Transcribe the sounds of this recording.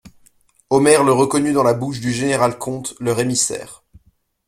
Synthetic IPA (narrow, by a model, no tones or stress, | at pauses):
ɔmɛʁləʁəkɔnyd̪ɑ̃labuʃd̪yʒeneʁalkʰɔ̃t̪ləʁemisɛ̰ːʁ